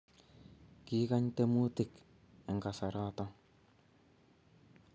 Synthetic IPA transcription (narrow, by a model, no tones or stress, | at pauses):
kikaɲt̪emut̪ɪk | ɛŋkasaɾat̪a